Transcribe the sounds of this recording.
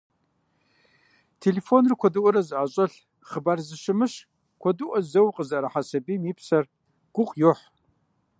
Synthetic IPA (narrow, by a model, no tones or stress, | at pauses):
tʰeleːfonrɨkʷʰɔdɨʔʷʼɔɾɐzɨʔaːɕʼɐɬ | χəbarzɨʃɨmɨɕ | kʷʰɔdɨʔʷɔzɐwqʼəzɐɾɐħasɐbiːmipsɐr | ɡ̥ʷʊqʼjoħ